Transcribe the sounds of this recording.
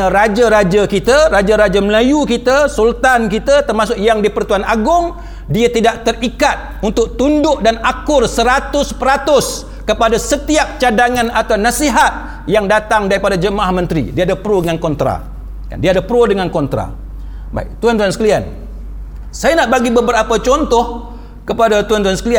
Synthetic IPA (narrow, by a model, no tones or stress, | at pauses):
ɾad͡ʒaɾad͡ʒakit̪arad͡ʒaɾad͡ʒaməlajukit̪asult̪ankit̪at̪ərmasʊkjaŋdipərt̪uanaɡʊŋ | diat̪idaʔ̚t̪ərikat̪̚unt̪ʊk̚t̪undʊʔdanakʊrsəɾat̪ʊspəɾat̪ʊs | kəpadasət̪iap̚t͡ʃadaŋãnat̪awnasiɦat̪̚ | jaŋdat̪aŋdaɾipadad͡ʒəmaʔahmə̃nt̪ɾḭdiaadapɾodəŋankɔnt̪ɾa̰ | ka̰ndiaːdapəɾodəŋankɔnt̪ɾa̰ | ba̰ḭk̚t̪uant̪uansə̥kəlian | sajanaʔbaɡibəbəɾapət͡ʃɔnt̪ɔh | kəpadat̪uant̪uansə̥kəlia